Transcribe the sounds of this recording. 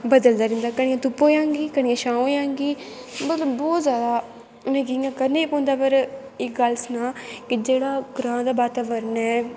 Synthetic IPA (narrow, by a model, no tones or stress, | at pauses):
bəd̪əld̪aːɾɪnd̪aːkəɽ̃ĩjãːt̪ʊpːoːjãːŋɡiːkəɽ̃ɪjãːʃãːojãːŋɡiː | mət̪ləbbɔːt̪zjaːd̪aː | nəɡiŋɡakəɾneːpõːnd̪aːpəɾ | ɪkɡəlsnãːkɪd͡ʒeːɽaːɡɾãːd̪aːbaːt̪aːʋəɾnɛː